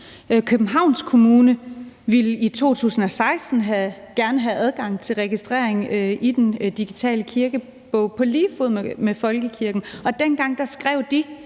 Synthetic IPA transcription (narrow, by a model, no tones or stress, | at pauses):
kʰøb̥̩ɦɑ̈ʊ̰nskʰo̝muːnə | ʋilit͡sʰo̝̰ːt͡sʰṵːsn̩ɒ̽sɑ̈ɪsd̥n̩ɦæɡ̥æɐnəɦæʔæð̞ˠɡ̥ɑ̈ŋ̰t͡sʰe̝lʁɛɡ̥isd̥ʁɛːɐ̰e̝ŋid̥end̥iɡ̥it͡sʰɛ̰ːləkʰiɐɡ̥ə | b̥ɔʊpʰɒ̽liːfoð̰ˠmmefɒ̽lɡ̥əkʰiɐɡ̥n̩ɒ̽d̥enɡ̥ɑ̈ŋ̰d̥ɑsɡ̥ʁɛʊ̰d̥i